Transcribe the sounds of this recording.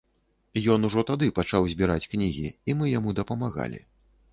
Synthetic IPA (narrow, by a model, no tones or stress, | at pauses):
jɔn̪uʐɔt̪ad̪ɨpat͡ʂawzʲbʲiɾat͡sʲknʲiɣʲḭimɨjamud̪ɐpɐmaɣa̰lʲḭ